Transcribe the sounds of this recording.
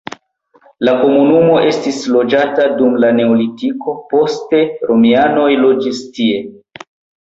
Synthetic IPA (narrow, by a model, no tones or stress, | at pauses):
lako̞munumo̞ʔe̞stislo̞d͡ʒatadumlane̞olitiko̞po̞ste̞ɾo̞miano̞jlo̞d͡ʒistie̞